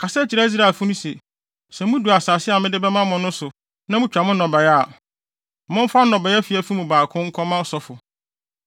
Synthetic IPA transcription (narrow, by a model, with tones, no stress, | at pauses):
kʰa˨sɛ˦t͡ɕʰi˨ɾa˦zi˦ɾa˨fʊ˦nʊ̃˦se˨ | sɛ˨mũ˦du˨a˨saː˨sɪ˦a˨mɪ̃˦dɪ˦bɛ˦mã˦mʊ̃˨nːʊ̃˦sʊ˨ | nã˦mũ˦t͡ɕᶣa˨mʊ̃˦nɔ̃˨bɛ˨jɛ˦a˨ | mʊ̃˦m˦fa˦nɔ̃˨bɛ˨ɛ˦fi˨æ˨fi˦mũ˨baː˨kʰʊ̃˦ŋ̩˦kʰɔ˦mã˦ɔ˦sɔ˦fʊ˨